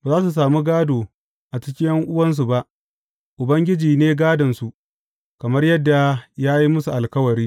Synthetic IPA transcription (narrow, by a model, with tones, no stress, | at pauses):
baː˨zaː˦s̬u˨s̬aː˨mu˦ɡaː˦doː˨ | ʔa˨t͡ʃɪ˦kʲɪ˦jɐ˦ŋʔʊ˦wɐ˦ns̬u˨ba˦ʔ | ʔʊ˨bɐ˦ŋɡʲɪ˦d͡ʒiː˨neː˦ɡaː˦dɐ˨nsu˨ʔ | kɐ˨mɐ˦rjɐ˦dːa˨jaː˦ji˦mʊ˦su˨ʔa˨lkɐ˦wɐ˨ɾiː˦